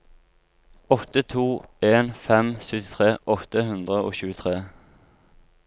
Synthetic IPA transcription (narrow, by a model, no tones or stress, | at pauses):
ɔt̪ət̪ʰuːeːnfɛmsœt̪ɪt̪ʰʁeːʔɔt̪əhʉnd̪ʁəo̰ːçʉːət̪ʰʁeː